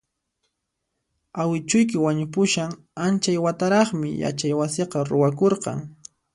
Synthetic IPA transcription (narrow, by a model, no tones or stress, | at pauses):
awɪt͡ʃʊjk̬ɪwaɲʊpʊʃaŋ | ant͡ʃajwat̪aɾɑχmɪ̰ja̰t͡ʃajwasɪqɑɾʊwakoɾqɑ̰ŋ